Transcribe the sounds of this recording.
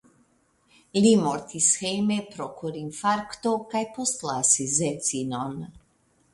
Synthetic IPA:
limoɾt̪ʰisxemepɾokʰoɾimfaɾkt̪okajpost̪lasizɛt̪sinon

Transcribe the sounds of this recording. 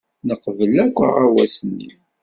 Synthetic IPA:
nəqvəlækʷːə̰ʁawæsənːḭ

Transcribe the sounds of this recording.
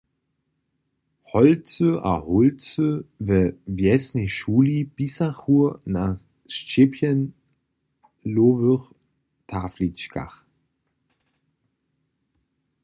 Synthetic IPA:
hɔlt͡søʔa̰hʊlt͡søvəvjɛsneʃuːlib̥isaχuɐna | ʃt͡ʃepʰjən | loːvøχ | tʰaːflit͡ʃka̰χ

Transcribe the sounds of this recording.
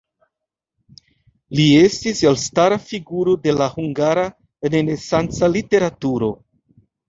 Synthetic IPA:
lie̞stiselstaɾafiɡuɾo̞de̞lahuŋɡaɾa | nenesant͡salite̞ɾatuɾo̞

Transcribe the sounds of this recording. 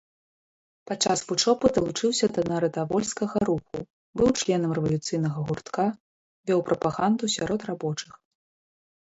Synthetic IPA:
pat͡ʂasvut͡ʂɔpud̪ɐlˠut͡ʂɨwsʲɐd̪ɐnɐɾɐd̪avɔlʲskɐɣɐɾuxu | bɨwt͡ʂlʲɛnɐmrɛvɐlʲut̪sɨjnɐɣɐɣurt̪ka | vʲɔwpɾʔɐpaɣand̪usʲaɾɔt̪rabɔt͡ʂɨx

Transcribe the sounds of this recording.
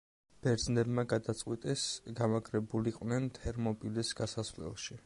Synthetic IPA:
b̥ɛɾd̪znɛbmaɡad̪at̪sʼqʼwit̪ʼɛsɡamaɡʰʼɾɛbuliqʼwnɛnt̪ʰɛɾmɔpʼilisɡasasvlɛ̰lˠʃi

